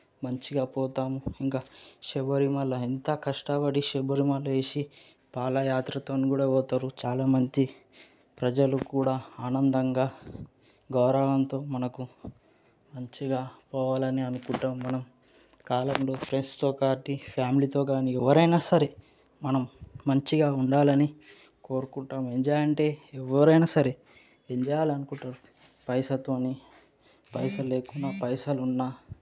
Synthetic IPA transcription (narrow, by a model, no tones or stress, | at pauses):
mɐɲt͡ʃiɡaːpɔːt̪aːmuiŋkaːʃɛbɐɾimɐlːɐint̪ɐkɐʂʈabɐɽiʃɛbɐɾimɐlːɐeːsi | paːlɐjaːt̪ɾɐt̪oːnikuːɽaːɔːt̪aɾut͡ʃaːlaːmɐɲt͡ʃi | pɾɐd͡ʒɐlukuːɽaːaːnɐnd̪ɐŋɡaː | ɡɐwɾɐʋɐnt̪o̞ːmɐnɐku | mɐɲt͡ʃiɡaːpɔːʋaːlɐniɐnukuɳʈaːmːɐnɐm | kaːlɐmlo̞ːpʰɾeɳst̪o̞ːkaːɾʈipʰjaːmilit̪o̞ːkaːniɛʋːɐɾɐjnaːsɐɾe̞ | mɐnɐmːɐɲt͡ʃiɡaːuɳɖaːlɐni | ko̞ːɾukuɳʈaːmeɲd͡ʒaːjɐɳʈe̞ːɛʋːɐɾɐjnɐsɐɾe | eɲd͡ʒɛajaːliɐnukuɳʈaɾu | pɐjsɐt̪oːni | pɐjsɐle̞ːkunːɐpɐjsɐlunːaː